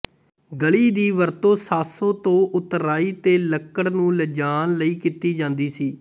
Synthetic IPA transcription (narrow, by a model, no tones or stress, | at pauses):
ɡəɭiːd̪iːʋəɾt̪õːsaːsõːt̪õːʔʊt̪ɾaːiːt̪eːləkːəɽnũːləd͡ʒaːnləiːkiːt̪iːd͡ʒãːnd̪iːsiː